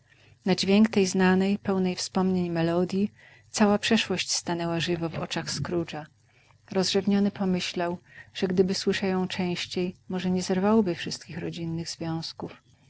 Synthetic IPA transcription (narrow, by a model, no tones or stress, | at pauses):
nad͡ʑvʲjeŋkt̪ɛjznanɛjpɛwnɛjfspɔmɲeɲmɛlɔd̪ʲji | t̪sawapʂɛʂwɔɕt͡ɕst̪anɛwaʐɘvɔvɔ̰t͡ʂaxskɾut͡ʂa | ɾɔzʐɛvɲɔnɘpɔmɘɕlawʐ̥ɛɡd̪ɘbɘswɘʂɛjɔ̃w̃t͡ʂɛ̃w̃ɕt͡ɕejmɔʐɛɲɛzɛɾvawbɘfʂɘst̪kʲixɾɔd͡ʑinːɘɣzvʲjɔ̃w̃skuf